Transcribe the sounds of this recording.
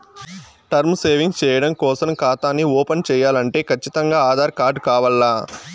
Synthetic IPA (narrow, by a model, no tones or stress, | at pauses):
ʈɐɾmseːʋiŋɡt͡ʃɛːjɐɽɐmkɔːsɐmkaːt̪aːniɔːpɐnt͡ʃɛːjaːlɐɳʈe̞ːkʰɐt͡ʃːit̪ɐŋɡaːaːd̪ʱaːɾkaːɾɖkaːʋɐɭːaː